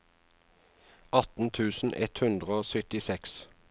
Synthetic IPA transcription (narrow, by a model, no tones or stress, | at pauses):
ɑt̪n̩t̪ʰʉːsn̩ʔɛ̰t̪hʉnd̪ʁəoːsœt̪ɪsɛks